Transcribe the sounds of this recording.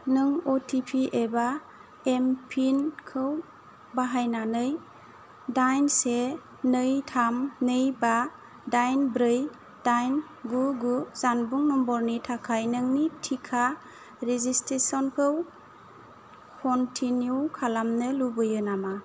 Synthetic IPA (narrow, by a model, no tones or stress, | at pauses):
nɯŋotʰipʰiʔeba | empʰinkʰɯw | baɦajnanɯj | dajnse | nɯjtʰamnɯjba | dajnbɾɯj | d̥ajn | ɡuɡuzanbuŋnɔmbɔɾnitʰakʰajnɯŋnitʰikʰa | ɾezistɾesɔnkʰɯw | kʰɔntʰiniukʰalamnɯlubɯjɯnama